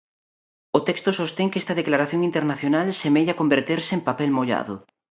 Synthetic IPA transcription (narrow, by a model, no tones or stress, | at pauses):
ʊt̪ɛkst̪ʊsost̪eŋkɛst̪ɐðeklaɾaθjoŋint̪eɾnaθjonalsemeʎakombeɾt̪eɾsɪempapɛlmoʎa̰ðʊ̰